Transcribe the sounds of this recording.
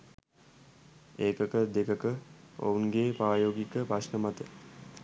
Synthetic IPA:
eːkəkəd̪ekəkəo̰unɡeːpaːjoːɡikəpaʂnəmat̪ə

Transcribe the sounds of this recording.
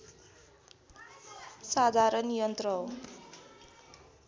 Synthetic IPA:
sad̪ʱaɾʌnijʌnt̪ɾʌ

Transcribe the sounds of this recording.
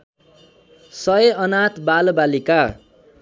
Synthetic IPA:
sʌeʌnat̪balbalika

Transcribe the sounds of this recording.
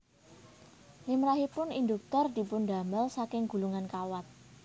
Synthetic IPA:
limɾaɦipʊnind̪uk̚t̪ɔrd̪̥i̤pʊnda̤məlsakɪŋɡ̥ṳluŋankawat̪̚

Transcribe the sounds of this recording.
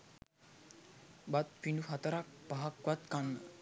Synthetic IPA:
bat̪̚finɖuɦat̪əɾak̚paɦakʋat̪kanːə

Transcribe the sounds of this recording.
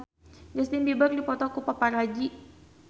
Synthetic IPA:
d͡ʒast̪inbibardipɔt̪ɔkupapaɾad͡ʒi

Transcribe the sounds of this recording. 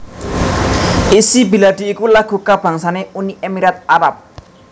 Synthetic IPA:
ʔisibi̤lad̪̥i̤ːkulaɡ̥ṳkab̥ä̤ŋsaneuniʔemiɾat̪̚aɾap̚

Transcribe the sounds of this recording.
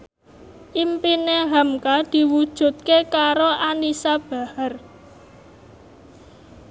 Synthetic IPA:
ʔimpineɦamkad̪̥i̤wud̥ʒ̥ṳt̪̚kekaɾoʔanisab̥a̤hər

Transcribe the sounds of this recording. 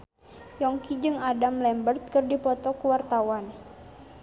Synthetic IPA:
jɔŋkid͡ʒɨŋadamlɛmbərt̪̚kɨrdipɔt̪ɔkuwart̪awan

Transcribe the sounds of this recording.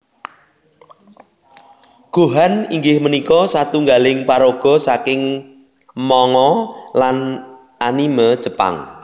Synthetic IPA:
ɡ̥o̤ɦaniŋɡɪhmənikɔsat̪uŋɡalɪŋpaɾoɡ̥ɔ̤sakɪŋ | mɔŋɔlan | ʔaniməd̥ʒ̥ə̤pa̰ŋ

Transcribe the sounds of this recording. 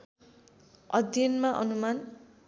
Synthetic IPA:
ʌd̪ʱjʌnmaʔʌnuman

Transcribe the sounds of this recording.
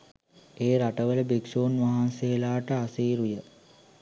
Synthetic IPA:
eːɾaʈəʋələbiksoːnʋaɦanseːlaːʈəasiːɾujə

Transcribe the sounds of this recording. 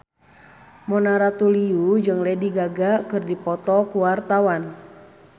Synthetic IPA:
mɔnaɾat̪uliud͡ʒɨŋlɛdiɡaɡakɨrdipɔt̪ɔkuwart̪awan

